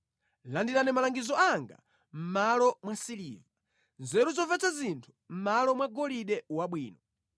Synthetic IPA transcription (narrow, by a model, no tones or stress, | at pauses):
landiɾanɛmalaŋɡizɔaŋɡa̰ | m̩malɔmwasilḭːva | nzɛɾuzɔvɛt͡sazintʰu̥m̩malɔmwaɡɔliɗɛwaɓwiːnɔ